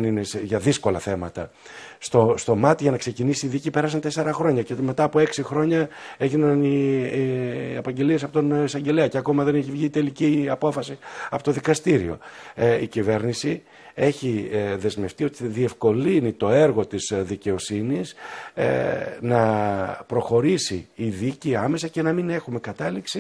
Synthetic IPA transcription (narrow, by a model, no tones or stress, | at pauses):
nineseʝɐðisko̞lɐθe̞mɐt̪ɐst̪o̞st̪o̞mɐt̪iʝɐnɐkse̞cinisiːðicipe̞ɾɐs̬ɐnt̪ese̞ɾɐxɾo̞ɲɐceme̞t̪ɐːpo̞e̞ksixɾo̞ɲɐe̞ʝinɐni | ɐpɐɲɟe̞liesɐpot̪onisɐɲɟe̞leɐceɐko̞mɐðe̞neçivʝiːt̪e̞liciɐpo̞fɐsiɐpo̞t̪o̞ðikɐst̪iɾḭo̞̰icive̞ɾnisi | e̞çiðe̞zme̞ft̪io̞t̪iðie̞fko̞linit̪o̞e̞ɾɣot̪isðice̞o̞sinis | nɐpɾo̞xo̞ɾisḭːðiciɐme̞sɐce̞nɐmine̞xume̞kɐt̪ɐliksi